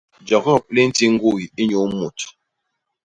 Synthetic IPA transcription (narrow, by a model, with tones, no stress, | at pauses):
d͡ʒɔ˨kɔ˦˨pli˦n̩˦ti˦ŋ̩˦ɡu˦˨ji˦ɲo˨˦mo˨t